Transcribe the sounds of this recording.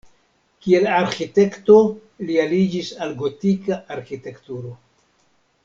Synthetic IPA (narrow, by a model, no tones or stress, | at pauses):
kie̞laɾxite̞kto̞ | lialid͡ʒisalɡo̞tikaaɾxite̞ktuɾo̞